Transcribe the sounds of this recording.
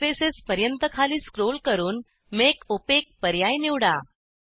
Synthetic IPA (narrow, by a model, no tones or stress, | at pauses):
fesespəɾjənt̪əkʰaliːskɾolkəɾuːn | mekopek̚pəɾjajniʋɽa̰